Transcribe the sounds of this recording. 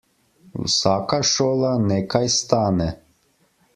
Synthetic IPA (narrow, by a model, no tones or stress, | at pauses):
ṵsakaʃoːlanɛkajst̪aːnɛ